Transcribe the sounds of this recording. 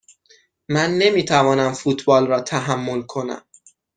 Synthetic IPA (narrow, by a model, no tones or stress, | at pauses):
mænːe̞miːt̪ʰævɒːnæmfuːt̪ʰbɒːlrɒːt̪ʰæɦæmːo̞lkʰo̞næ̰m